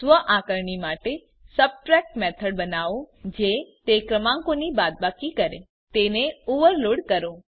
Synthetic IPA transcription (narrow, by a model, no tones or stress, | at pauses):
sʋəʔãkəɾɳimaʈe | səb̚ʈɾɛk̚ʈmɛt̪ʰəɽ̚bənaʋõd͡ʒet̪ekɾəmãŋkonibad̪̚bakikəɾe | t̪eneoʋəɾloɽkəɾo